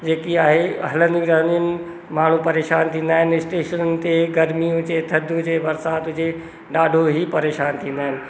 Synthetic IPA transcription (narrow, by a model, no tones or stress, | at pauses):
d͡ʑeːkiaːɦeɐɦlə̃nɪɡɾaːniənɪ̆ | maːɳ̤ũpɐɾeːʃaːnt̪ʰĩːnd̪aːɦɪnɪɪsʈeːʃənənɪ̆t̪eɡɐɾmijũd͡ʑeːt̪ʰɐd̪ʱũd͡ʑeːʋɐɾsaːt̪ʊd͡ʑe | ɖaːɖʱoɦipɐɾeːʃaːnt̪ʰĩːnd̪aːɦɪnɪ̆